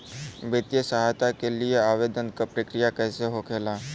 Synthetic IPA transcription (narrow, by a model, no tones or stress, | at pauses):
bet̪jəsaɦat̪akelieaːʋeːd̪ənkapɾəkɾijakɛːseɦokʰeːlaː